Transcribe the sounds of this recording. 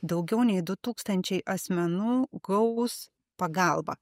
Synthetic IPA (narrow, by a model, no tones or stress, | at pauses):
d̪ɐʊɡʲɛʊnʲɛɪd̪ʊt̪uːkst̪ɐnʲt͡ʃʲɛɪʔɐsʲmʲɛnuːɡɐʊs | pɐɡɑˑlˠbɐ̰